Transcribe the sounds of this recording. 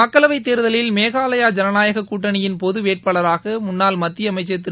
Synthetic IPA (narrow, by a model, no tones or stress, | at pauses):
ɐkːɐlɐʋɐɪt̪ːeːɾɯðɐlɪlmeːɣaːlɐjaːd͡ʒɐnɐnaːjɐɣɐkːuːʈːɐnɪjɪnpɔðɯʋeːʈ̚pɐːɭɐɾaːɣɐmʊnːaːlmɐt̪ːɪɐmɐɪt͡ʃːɐt̪̬ːɪ